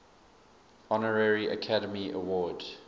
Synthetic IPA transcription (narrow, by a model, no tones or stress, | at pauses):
ɔnəɹɛɹiʔə̰kʰaɾəmiʔə̰wɔːd